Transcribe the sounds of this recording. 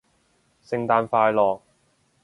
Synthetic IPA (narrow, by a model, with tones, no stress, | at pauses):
sɪ˧ŋt̪aː˨˧nfaː˧jlɔː˨k̚